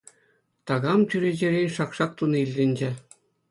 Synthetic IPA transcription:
t̪ɑɣɑmtʲyɾʲed͡ʑĕɾʲenʲʃɑkʃɑk̚t̪unɤilʲːɘ̆nʲd͡ʑĕ

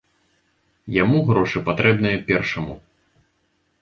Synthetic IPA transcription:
jamuɣɾɔʂɨpat̪ɾɛbn̪ɨjɐpʲɛrʂɐmṵ

